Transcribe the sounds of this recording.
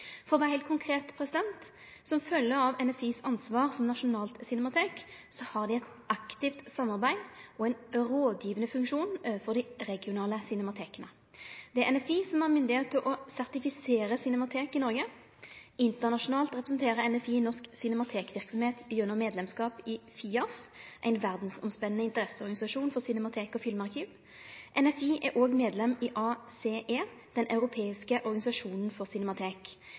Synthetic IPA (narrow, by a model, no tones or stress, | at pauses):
fɔɾʋɛːɾhɛɪlt̪kʊŋkʰʁeːt̪pʰɾɛsɪd̪ɛnt̪ | sɔmfœlːəɾɑʋɛnɛfiːsɑnsʋɑːʁsɔmnɑʂʊnɑːlt̪sʏnɛmɑt̪ʰeːksɔhɑʁd̪ɪɛt̪ | ɑkt̪ɪft̪sɑmːɑʁbæɪɔɛɪnɾoːd̪jiːʋənəfʉŋkʃuːnøfɔʁd̪ɪʁɛɡɪʊnɑːləsʏnɛmɑt̪ʰeːkənə | d̪̥ɛæɾɛnɛfiːsɔmæʁmʏnd̪ɪheːt̪ʰːɪlʔɔsæʁt̪ɪfɪseːɾəsɪnɛmɑt̪ʰeːkɪnɔɾɡə | ɪnt̪əʁnɑʃʊnɑːlt̪ʁɛpɾɛsnt̪ʰeːʁəɛnɛfiːnɔʁsksɪnɛmɑt̪ʰeːkʋɪʁksɔmheːt̪jʉnːɔmeːd̪lɛmskɑːpɪfiːɑfʔæ̰ɪnʋæʁd̪n̩sɔmspɛnənəɪnt̪əʁɛsəɔʁɡɑnɪsɑʂuːnfɔʁsɪnɛmɑt̪ʰeːkɔfɪlmɑʁkʰiːʋ | ʔɛnɛfiːʔæɾʔoːɡmeːd̪lɛmɪʔɑːseːʔeː | d̪̥ɛnʔɑʉɾʊpʰeːɪskəʔɔʁɡɑnɪsɑʂuːnən̩fɔʁsɪnɛmɑt̪ʰeːk